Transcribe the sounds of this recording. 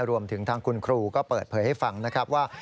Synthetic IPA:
ɾu˧əmt̪ʰɯ˩˦ŋt̪ʰaː˧ŋkʰu˧nkʰɾuː˧kɔː˥˩pɤː˨˩t̪̚pʰɤː˩˦jha˥˩jfa˧ŋna˦˥kʰɾa˦˥p̚waː˥˩

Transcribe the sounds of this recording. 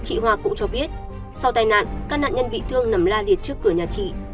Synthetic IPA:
t͡ɕḭ˧˨ɦwaː˧kʊ̰˧˥ŋ͡mt͡ɕɔ˧ɓi˦˥ət̚ | sa˧wt̪aː˧jna̰ː˧˨nkaː˦˥k̚na̰ː˧˨ɲə˧nɓḭ˧˨t̪ʰɨ˧əŋnə˨˩mlaː˧li˨˩ət̚t͡ɕɨ˦˥əkːɨ˧˩əɲaː˨˩t͡ɕḭ˧˨

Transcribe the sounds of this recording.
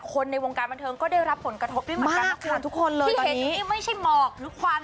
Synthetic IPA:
kʰo˧nːa˧jwo˧ŋkaː˧nba˧nt̪ʰɤː˧ŋkɔː˥˩da˥˩jɾa˦˥pʰːo˩˦nkɾa˧t̪ʰo˦˥p̚du˥˩˨maː˦˥˧a˧˥˩kʰːa˧˩t̪ʰu˦˥kʰːo˧nlɤːijːɔ˧e˧˩˦niː˦˥˦iː˥˩ma˥˩jt͡ɕʰa˥˩jmɔː˧˩kkʰwaː˧m

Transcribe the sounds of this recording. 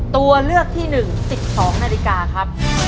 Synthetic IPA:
t̪u˧ɐlɯ˥˩ək̚t̪ʰiː˥˩nɯ˨˩ŋsi˨˩p̚sɔː˩˦ŋnaː˧li˧kaː˧kʰa˦˥p̚

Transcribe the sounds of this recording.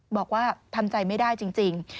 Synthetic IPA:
bɔː˨˩k̚waː˥˩t̪ʰa˧mt͡ɕa˧jma˥˩jdaː˥˩jt͡ɕi˧ŋt͡ɕi˧ŋ

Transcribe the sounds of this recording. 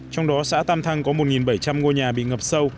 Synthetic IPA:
t͡ɕɔ˧wŋ͡mɗɔ˨˦sa̰ː˧˥t̪aː˧mt̪ʰa˧ŋkɔ˨˦mo˨˩t̚ŋi˨˩nɓə˧˩jt͡ɕa˧mŋo˧ɲaː˨˩ɓḭ˧˨ŋə˨˩p̚sə˧w

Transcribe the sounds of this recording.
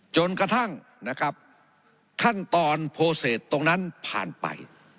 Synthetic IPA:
t͡ɕo˧nka˧t̪ʰa˥˩ŋ | na˦˥kʰa˦˥p̚ | kʰa˥˩nt̪ɔː˧npʰoː˧seː˨˩t̪ːo˧ŋna˦˥npʰa̰ː˨˩npa̰˧j

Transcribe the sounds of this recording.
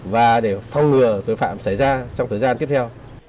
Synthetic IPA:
vaː˨˩ɗe˧˩fɔ˧wŋ͡mŋɨ˨˩ət̪o˨˧˦jfa̰ː˧˨msa˧˩jzaː˧t͡ɕɔ˧wŋ͡mt̪ʰəː˨˩jzaː˧nt̪i˦˥əp̚t̪ʰw

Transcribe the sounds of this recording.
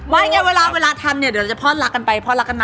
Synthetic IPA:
waː˧˩˧ŋɛː˥˩˨weː˧laː˧weː˧laː˧t̪ʰa˧mni˧˩˨di˨˩˦t͡ɕa˨pʰɔː˥˩t̪̚la˦˥kːa˧npa˧jpʰɔː˥t̚la˦˥kːa˧nma˧

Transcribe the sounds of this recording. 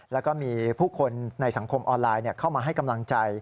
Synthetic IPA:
lɛː˦˥wkɔː˥˩miː˧pʰuː˥˩kʰo˧nna˧jsa˨˩˦ŋkʰo˧mʔɔː˧nlaː˧jni˥˩ɐkʰa˥˩wmaː˧ɦa˥˩jka˧mla˧ŋt͡ɕa˧j

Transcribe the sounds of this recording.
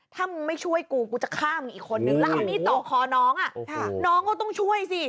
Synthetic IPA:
t̪ʰaː˥˩mɯ˧ma˥˩jt͡ɕʰu˥˩əjkuː˧kuː˧t͡ɕa˨˩kʰaː˥˩mː˧ʔiː˨˩kʰːo˧nːɯ˨˧˩ŋlaː˦˥˩niː˦˥˩t̪ɔː˨˩kʰɔː˧˩nɔː˦˥ŋʔa˨˩ʔʰnɔː˦˥ŋkɔ˥˩t̪ɔ˥˩ŋt͡ɕʰu˥˩əjsi˧˩

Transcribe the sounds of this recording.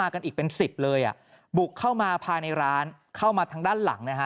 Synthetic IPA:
aː˧ka˧nʔiː˨˩k̚pe˧nsi˨˩p̚lɤː˧jʔa̰˨˩ | bu˨˩kʰːaː˥˩wmaː˧pʰaː˧jna˧jɾaː˦˥n | kʰa˥˩wmaː˧t̪ʰa˧˥ŋdaː˥˩nla̰˩˦ŋna˦˥kʰa˦˥

